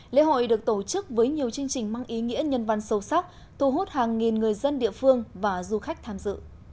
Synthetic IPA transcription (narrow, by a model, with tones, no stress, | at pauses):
lḛ˧˥ɦo̰˧˨jɗɨ˨˩ək̚t̪o˧˩t͡ɕɨ˦˥k̚vəː˨˦jɲi˨˩əwt͡ɕɨ˧əŋt͡ɕï˨˩ŋ̟ma˧ŋʔi˨˦ŋḭ˧˥əɲə˧nva˧˩nsə˨˧wsa˦˥k͡p̚ | t̪ʰu˧˩ɦo˦˥t̚haː˨˩ŋːi˨˩nŋɨ˨˩əjzə˧nɗḭ˧˨əfɨ˧əŋvaː˨˩zu˧xa˦˥jk̚t̪ʰaː˧mzɨ̰˧˨